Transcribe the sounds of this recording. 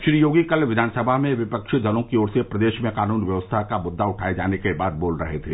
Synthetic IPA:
ʃɾijoːɡikɐlʋɪd̪ʱaːnsəbʱamẽʋɪpəkʃd̪ɐlõkioːɾsepɾɐd̪eːʃmẽkaːnuːnʋjəʋəst̪ʰakamʊd̪ʱːaʊʈʰaːed͡ʒaːnekebaːd̪̚boːlɾɐɦet̪ʰeː

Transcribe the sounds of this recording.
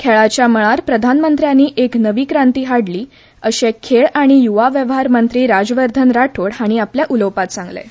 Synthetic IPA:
kʰeɭat͡ɕjaməɭaɾpɾəd̪ʱanmənt̪ɾjanːiːʔeknəʋiːkɾant̪iːɦaɽliː | əɕekʰeɭaɽ̃ijuʋaʋjəʋɦaɾmənt̪ɾiːɾad͡zʋəɾd̪ʱənɾaʈʰoɽɦaɽ̃iapljaʔulowpat̪sãŋɡlḛ

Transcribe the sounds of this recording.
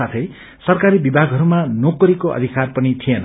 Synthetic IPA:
at̪ʰʌj | sʌrkaɾibibʱaɡʱɦʌɾumanokʌɾikoʔʌ̰d̪ʱikarpʌnit̪ʰijenʌ̰

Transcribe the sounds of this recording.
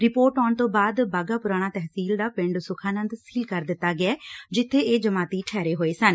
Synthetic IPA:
ɾɪpoːɾʈɔːɳt̪õːbaːd̪baːɡaːpʊɾaːñãːt̪ɛɦsiːld̪aːpɪ̃ɳɖsʊkʰaːnə̃nd̪siːlkəɾd̪ɪt̪ːaːɡɪɛːd͡ʒɪt̪ʰːeːeːd͡ʒəmaːt̪iːʈʰɛːɾeːɦoːeːsən

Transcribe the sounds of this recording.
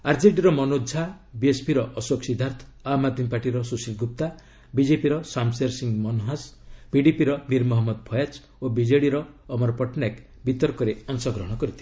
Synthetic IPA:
aɾd͡ʒeʈiɾɔmɔnodd͡ʒʱa | biespʰiɾɔʔɔsoksid̪ʱaɾt̪ʰɔ̥amad̪ʱmipaʈiɾɔsusilɡup̚t̪a | bid͡ʒepiɾɔsamseɾsiŋmɔnɦasb̥iɖipiɾɔmiɾmɔɦɔmːɔd̪̚pʰɔjat͡ʃ | obid͡ʒeɽiɾɔː | mɔɾɔpɔʈnak | bit̪ɔɾkɔɾeɔnsɔɡɾɔɦɔ̃ɽ̃ɔkɔɾit̪ʰi

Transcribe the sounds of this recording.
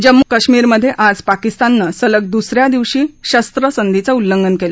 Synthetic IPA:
d͡ʑəmːukəɕmiːɾməd̪ʱːjeʔad͡zpakist̪anːəsələk̚d̪usɾjad̪iʋɕiːɕəst̪ɾəsənd̪ʱit͡saulːəŋɡənkela

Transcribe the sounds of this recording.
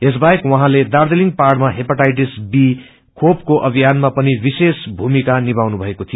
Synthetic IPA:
es̬baekwʌɦãled̪ard̪eliŋɡparɽmaɦepaʈajʈ̬isbi | kʰop̚koʔʌbʱijanmapʌnibisesbʱumikanibawnubʱʌekot̪ʰijo

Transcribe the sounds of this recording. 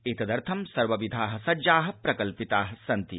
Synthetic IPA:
eːt̪ɐd̪ɐɾt̪ʰɐmsɐɾʋɐʋid̪ʱaːɦɐ̆sɐd͡ʒaːɦɐ̆pɾɐkɐlpit̪aːɦɐsɐnt̪i

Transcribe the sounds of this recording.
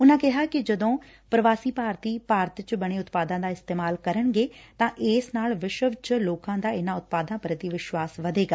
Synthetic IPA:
ʊnãːkɛɦakid͡ʒɐd̪õː | pɾɐʋaːsipaːɾt̪iːpaːɾt̪t͡ʃbɐɽ̃eʊt̪paːd̪ãːd̪aːɪst̪eːmaːlkɐɾəɽ̃ɡeːt̪ãʔeːsnaːlʋɪʃəʋt͡ʃloːkãːd̪aːɪnãʊt̪̚paːd̪ãːpɾət̪iʋɪʃʋaːsʋɐd̪ʱeɡa

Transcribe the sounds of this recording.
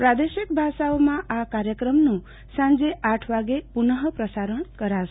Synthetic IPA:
pɾad̪esik̚bʱasaomãʔakaɾjəkɾəmnu | sãnd͡zeʔaʈʰʋaɡepunəɦəpɾəsaɾəɳkəɾasʰ

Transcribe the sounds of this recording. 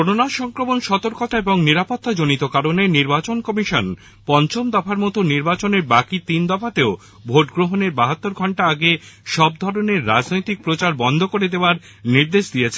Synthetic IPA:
kononaʃɔŋkɾomonʃɔt̪oɾkot̪aeboŋniɾapot̪ːad͡ʑonit̪okaɾoneniɾbat͡ɕonkɔmiʃɔn | pɔnt͡ɕomd̪ɔfʰaɾmɔt̪oniɾbat͡ɕoneɾbakit̪ind̪ɔfʰat̪eo | bʱoʈɡɾoɦoneɾbaɦat̪ːoɾɡʱɔɳʈaaɡeʃɔb̚d̪ʱɔɾoneɾːad͡ʑnojt̪ik̚pɾot͡ɕaɾbɔnd̪ʱokoɾed̪eoaɾ | niɾd̪eʃd̪ijet͡ɕʰe̥

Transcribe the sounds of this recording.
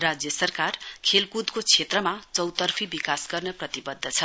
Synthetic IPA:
rad͡zjʌsʌrkarkʰelkud̪kot͡sʰet̪rʌmat͡sʌwt̪ʌrpʰibikasɡʌrnʌprʌt̪ibʌd̪ʱːʌt͡sʰʌ

